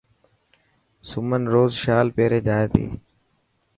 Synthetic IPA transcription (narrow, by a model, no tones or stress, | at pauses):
sʊmənɾoːzʃaːlpeːɾeːd͡ʒaːeːt̪ḭː